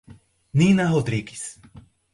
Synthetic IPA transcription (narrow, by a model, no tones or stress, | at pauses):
ninaɦod̪ɾiɡis